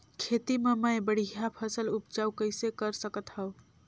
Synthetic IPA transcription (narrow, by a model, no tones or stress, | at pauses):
kʰet̪imeməjbəɽ̤ijapʰəsəlupd͡ʒaukəɪsekəɾsəkət̪ɦəw